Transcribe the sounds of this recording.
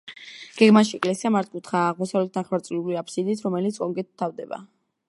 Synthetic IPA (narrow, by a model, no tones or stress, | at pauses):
ɡ̥ɛɡmaʃiɛkʼlɛsiamaɾt̪̚ʰkʰʼut̪χaːʁmɔsavlɛt̪̚d̪aχwaɾt̪sʼliuliapʰsid̪it̪ʰɾɔmɛlit̪sʰkʼɔŋɡɛt̪̚t̪ʰːavd̪ɛba̰